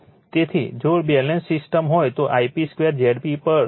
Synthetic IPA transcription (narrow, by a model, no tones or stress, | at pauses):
t̪et̪ʰḭd͡ʒobɛlensːɪsʈəmɦojt̪oʔaipiskʋeɾd͡ʒɛɽpipəɾ